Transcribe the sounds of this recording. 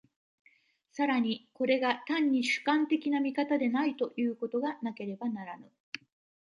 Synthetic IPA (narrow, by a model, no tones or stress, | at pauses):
saɾaɲ̟iko̞ɾe̞ɡat̪ãɲ̟ːiɕɨ̥kãnt̪e̞kʲinamʲikat̪ad̪e̞nait̪o̞jɯ̟ːko̞t̪o̞ɡanake̞ɾe̞banaɾanɯ